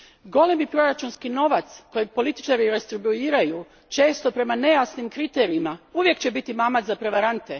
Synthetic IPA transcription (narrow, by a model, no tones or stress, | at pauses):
ɡo̞le̞mipɾo̞ɾat͡ʃunskino̞ʋat̪sko̞jeɡ̚po̞lit̪i̥t͡ʃaɾiɾe̞st̪ɾibuiːɾaju | t͡ʃe̞ːst̪o̞pɾe̞mane̞jasnimkɾit̪e̞ɾiimauʋje̞kt͡ɕe̞bit̪imamazapɾe̞ʋaɾant̪e̞